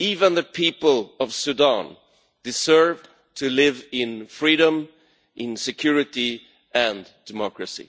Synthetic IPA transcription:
ivə̃nðɨpʰipəl̩ˠʌv̥sʉdɑ̃n | d̥ɨsɜ˞v | tʰɨlɪvɪ̃nfɹiɾə̃m | ʔɪ̃nsɨkʰj̥ʊɹɨɾi | ɨ̃nd̥ɨmɑkɹɨsḭ

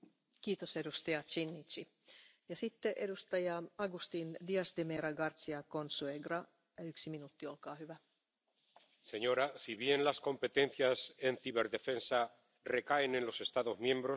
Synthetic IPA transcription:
kiːt̪osedust̪ɑjɑt͡ʃinːit͡ʃi | jɑsit̪ːeʔedust̪ɑjɑɑɡust̪indiɑsd̪emeɾɑɡɑrt̪siɑkonsueɡrɑ | yksiminut̪ːio̞lkɑːhyʋæ | se̞ɲo̞ɾasiβje̞nlasko̞mpe̞t̪ẽ̞nθjase̞nθiβe̞ɾðe̞fe̞nsa | re̞kae̞ne̞nlo̞se̞st̪aðo̞zmjẽ̞mbɾo̞

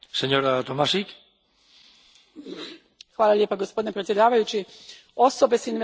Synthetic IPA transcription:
seɲo̞ɾat̪omasik | xʋaːlˠalʎje̞paɡospo̞d̪inepɾet̪sje̞d̪aːʋajut͡ɕi | o̞so̞be̞sinʋe

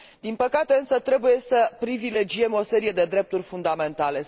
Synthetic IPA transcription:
d̪inpəkat̪e̞ɨnsət̪ɾe̞buje̞səpɾivile̞d͡ʒie̞mo̞se̞ɾije̞d̪e̞d̪ɾe̞p̚t̪urʲfund̪ame̞nt̪ale̞

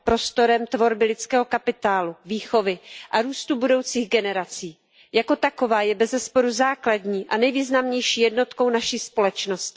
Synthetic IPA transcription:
pɾo̞st̪o̞ɾɛmt̪vo̞ɾbɪlɪt͡skɛːɦo̞kapɪt̪aːluviːxo̞vɪʔaɾuːst̪ubudo̞wt͡siːɣɡɛnɛɾat͡siː | jako̞t̪ako̞vaːjɛbɛzɛspo̞ɾuzaːkladɲiːʔanɛjviːznamɲɛjʃiːjɛdno̞t̪ko̞wnaʃiːspo̞lɛt͡ʃno̞sc

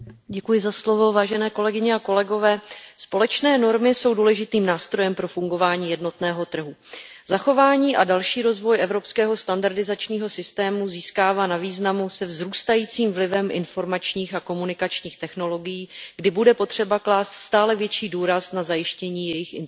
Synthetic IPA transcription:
ɟɛkujɪzaslovo̞vaːʒɛnɛːko̞lɛɡɪɲɛakolɛɡo̞vɛːspo̞lɛt͡ʃnɛːno̞ɾmɪso̞wduːlɛʒɪt̪iːmnaːst̪ɾo̞jɛmpɾo̞fuŋɡo̞vaːɲiːjɛdno̞t̪nɛːɦo̞t̪r̩ɦuz̥axo̞vaːɲiːʔadalʃiːɾo̞zvo̞jʔɛvɾo̞pskɛːɦo̞st̪andaɾdɪzat͡ʃɲiːɦo̞sɪst̪ɛːmuziːskaːvaːnaviːznamusɛvzɾuːst̪ajiːt͡siːmvlɪvɛmʔɪ̰nfo̞ɾmat͡ʃɲiːxako̞munɪkat͡ʃɲiːxt̪ɛxno̞lo̞ɡɪjiːɡ̥dɪbudɛpo̞t̪r̝̥ɛbaklaːst̪st̪aːlɛvjɛt͡ʃiːduːɾasnazajɪʃcɛɲiːjɛjɪxɪn

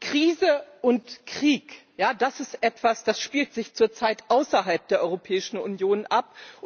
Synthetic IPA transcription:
kʁ̥iːzəʔʊntkʁ̥iːkjaːdasɪstʔɛtv̥asd̥asʃpiːltz̥ɪçt͡suːɐt͡saɪtʔaʊsɐɦalp̚d̥eːɐʔɔʏʁopʰɛːɪʃn̩ʊ̰njoːnʔap̚

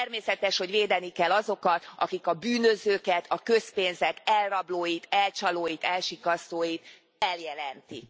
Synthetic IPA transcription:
ɛrmeːsɛt̪ɛʃho̞ɟʋeːd̪ɛnikɛlːɒzo̞kɒt̪ʔɒ̰kikɒbyːnøzøːkɛt̪ʰɒkø̞speːnzɛkɛlrɒbloːjit̪ɛlt͡ʃɒloːjit̪ɛlʃikɒst̪oːjit̪ | ɛljɛlɛnt̪ik

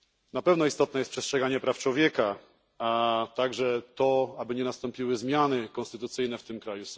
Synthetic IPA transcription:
napɛvnɔist̪ɔt̪nɛjɛst̪pʂɛstʂɛɡaɲɛpɾaft͡ʂwɔvʲjɛka | at̪aɡʐɛt̪ɔabɘɲɛnast̪ɔmpʲiwɘzmʲjanɘkɔnst̪ɘt̪ut̪sɘjnɛft̪ɘmkɾajus

